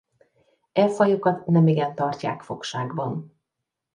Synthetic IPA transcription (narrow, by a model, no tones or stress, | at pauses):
ɛfɒjokɒt̪nɛmiɡɛnt̪ɒrca̰ːkfo̞kʃaːɡbɒn